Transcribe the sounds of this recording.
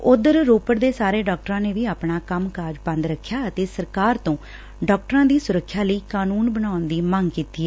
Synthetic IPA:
ʊd̪əɾɾoːpəɾd̪eːsaːɾeːɖɔːk̚ʈəɾãːneːʋiːaːpɳaːkəmkaːɾd͡ʒbə̃nd̪ɾəkʰːjaːət̪eːsəɾkaːɾt̪õː | ɖɔːk̚ʈɾãːd̪iːsʊɾəkʰːjaːləiːkaːnuːnbənaːʊnd̪iːməŋɡkiːt̪iːɛː

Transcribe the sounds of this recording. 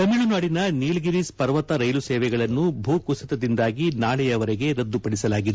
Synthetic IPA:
t̪ɐmiɭunaːɽinɐniːlɡiɾispɐɾʋɐt̪ɐɾɐjlusɛːʋɛɡɐɭɐnːubʱuːkusɐt̪ɐd̪ind̪aːɡinaːɭɛjɐʋɐɾɛɡe̞ɾɐd̪ːupɐɽisɐlaːɡid̪e

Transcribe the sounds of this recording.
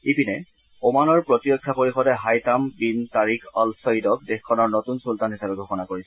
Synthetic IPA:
ipinɛ | omanɔɹpɹotiɹɔkʰːapoɹixɔdɛɦajtambintaɹikʰɔlsɔjidɔk̚dexkʰɔnɔɹnotunsultanɦisabɛɡʱɔxɔnakoɹisɛ

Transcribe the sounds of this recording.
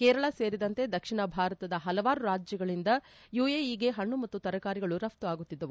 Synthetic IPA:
kɛːɾɐɭɐse̞ːɾid̪ɐnt̪e̞d̪ɐkʂiɳɐbʱaːɾɐt̪ɐd̪ɐɦɐlɐʋaːɾuɾaːd͡ʒjɐɡɐɭind̪ɐ | juːeːiɡe̞ɦɐɳːumɐt̪ːut̪ɐɾɐkaːɾiɡɐɭuɾɐft̪uaːɡut̪ːid̪ːɐʋu

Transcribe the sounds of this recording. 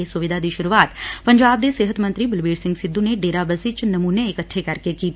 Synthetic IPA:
esʊʋɪd̪ʱad̪iʃʊɾuaːt̪pɐ̃ɲd͡ʒaːb̚d̪eseːɦət̪mɐ̃nt̪ɾibɪlbiːɖsɪ̃ŋɡsɪd̪ːuneɖeːɾabəzɪt͡ʃnɐmuːneːkətːʃʰekɐɾkekiːt̪

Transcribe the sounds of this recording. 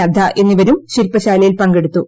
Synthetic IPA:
ɐd̪ʱːɐʔe̞nːiʋɐɾumɕiɾpːɐɕaːlɐjilpɐŋɡe̞ɽut̪ːu

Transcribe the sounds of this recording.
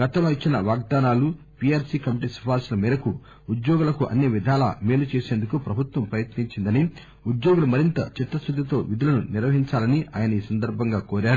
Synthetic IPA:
ɡɐt̪ɐmloːit͡ʃːinɐʋaːɡ̚d̪aːnaːlu | piaːɾsiːkɐmiʈisɐ̥pʰaːɾslɐmiːɾɐku | ud̪joːɡulɐkuʔɐ̰nːiʋid̪ʱaːlɐ̰meːlut͡ʃe̞ːseːnd̪ukupɾɐbʱut̪ʋɐmpɾɐjɐt̪niɲt͡ʃind̪ɐni | ud̪joːɡulumɐɾint̪ɐt͡ʃit̪ːɐsud̪ʱːɐt̪o̞ːʋid̪ulɐnuniɾʋɐɦiɲt͡ʃaːlɐniʔa̰ːjɐnɐiːsɐnd̪ɐɾbʱɐŋɡaːkoːɾaːɽu

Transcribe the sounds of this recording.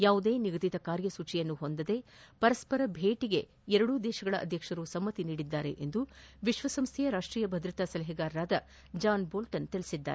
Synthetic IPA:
jaːʋud̪eːniɡɐd̪it̪ɐkaːɾjɐsuːt͡ʃijɐnːuhond̪ɐd̪e̞pɐɾɐspɐɾɐbʱe̞ːʈiɡe̞ | ɛɾɐɽud̪ɛːʃɐɡɐɭɐʔɐ̰d̪ʱjɐkʂɐɾusɐmːɐt̪iniːɽid̪ːaːɾe̞̰ʔend̪uʋiʃʋɐsɐmst̪ʰɛjɐɾaːʂʈɾiːjɐbʱɐd̪ɾɐt̪aːsɐlɐɦɛɡaːɾɐɾaːd̪ɐ | d͡ʒaːnboːlʈɐnt̪iɭisid̪ːa̰ːɾe

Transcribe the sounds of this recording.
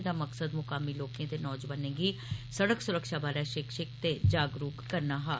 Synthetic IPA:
d̪aːməksəd̪mʊkaːmiːloːkẽːt̪eːnɔːd͡ʒʋənẽːɡiːsəɽəksʊɾəkʃaːbaːɾɛːʃɪkʃɪkt̪eːd͡ʒaːɡɾuːkːəɾnaːɦaː

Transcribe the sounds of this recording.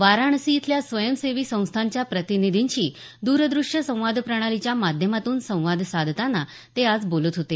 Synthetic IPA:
ʋaɾaɳsiːt̪ljasʋəjəmseʋiːsə̃w̃st̪ʰaɲt͡ɕjapɾət̪inid̪ʱiɲt͡ɕiː | d̪uɾd̪ɾuʂjəsə̃w̃ʋad̪ʱpɾəɽ̃alit͡ɕjamad̪ʱjəmat̪uːnsə̃w̃ʋad̪ʱsad̪ʱt̪anːa | t̪ead͡zbolət̪ɦot̪e

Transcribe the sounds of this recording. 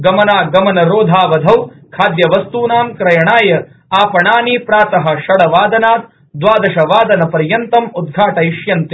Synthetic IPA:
ɡɐmɐnaːɡɐmɐnɐɾoːd̪ʱaːʋɐd̪ʱɐwkʰaːd̪jɐʋɐst̪uːnaːmkɾɐjɐɳaːjɐɾ | aːpɐɳaːniːpɾaːt̪ɐɦɐ̆ʃɐɽɐʋaːd̪ɐnaːt̪̚ | d̪ʋaːd̪ɐʃɐʋaːd̪ɐnɐpɐɾjɐnt̪ɐmud̪̚ɡʱaːʈɐiʃjɐnt̪i

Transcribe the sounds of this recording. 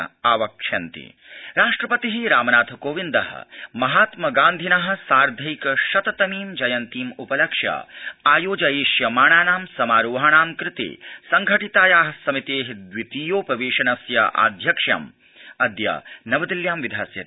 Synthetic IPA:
aːʋɐkʂʰɐnt̪ḭ | ɾaːʂʈɾɐpɐt̪iɦiɾaːmɐnaːt̪ʰɐkoːʋind̪ɐɦɐ̰mɐɦaːt̪mɐɡaːnd̪ʱinɐɦɐ̆saːɾd̪ʱɐikʃɐt̪ɐt̪ɐmiːmd͡ʒɐjɐnt̪iːmupɐlɐkʂjɐ̰aːjoːd͡ʒɐeːʃjɐmaːɳaːnaːmsɐmaːɾoːɦaːɳaːmkɾɪt̪ḛːsɐŋɡʱɐʈit̪aːjaːɦsɐmit̪eːɦd̪ʋit̪iːjoːpɾɐʋeːʃɐnɐsjɐ̰ʔa̰ːd̪ʱjɐkʂjɐ̰m | ɐd̪jɐ̰nɐʋɐd̪iljaːmʋid̪ʱaːsjɐ̰t̪

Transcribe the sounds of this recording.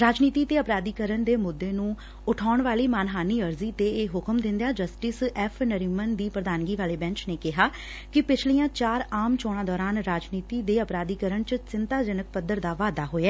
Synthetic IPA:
ɾaːd͡ʒniːt̪iːt̪eːəpɾaːd̪iːkəɾəɳd̪eːmʊd̪ːeːnũː | ʊʈʰaːɳʋaːliːmaːnɦaːniːəɾziːt̪eːeːɦʊkəmd̪ɪ̃nd̪jaːd͡ʒəsʈɪsɛːpʰnəɾiːmənd̪iːpɾəd̪aːnɡiːʋaːleːbɛ̃ɲt͡ʃneːkɪɦaː | kɪpɪt͡ʃʰlijãːt͡ʃaːɾaːmt͡ʃoːɽ̃ãːd̪ɔːɾaːnɾaːd͡ʒniːt̪iːd̪eːəpɾaːd̪iːkəɾəɳt͡ʃəsɪnt̪aːd͡ʒənək̚pəd̪əɾd̪aːʋaːd̪aːɦoːeɛː

